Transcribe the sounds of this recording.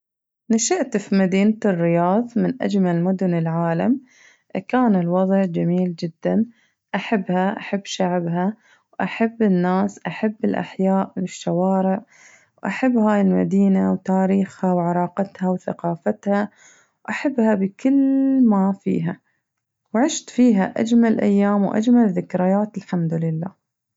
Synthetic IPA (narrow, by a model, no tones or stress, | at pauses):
naʃɪʔt̪fimad̪iːnt̪ɪrːɪjɑːðˤmɪnʔa̰d͡ʒmalmʊd̪ʊnɪlʕaːlam | ʔkaːnɪlwɑðˤʕd͡ʒamiːld͡ʒɪd̪̥ːan | ʔaħabːhaʔaħabːʃaʕbɦa | wʔaħabːɪnːaːsʔaħabːɪlʔa̰ħjaːʔwɪʃːawɑːɾɪʕ | wʔaħabːhaːjɪlma̰d̪iːnawt̪aːɾiːxhawʕɑɾˤɑːqɑt̪hawθa̰qɑːfat̪ha | wʔaħabːhabɪkɪlːmafḭːɦa | wʕɪʃt̪fiːɦa̰ʔa̰d͡ʒmalʔa̰jːaːmwʔa̰d͡ʒmalðɪkɾɪjaːt̪ɪlħamd̪ʊlɪlːa̰ː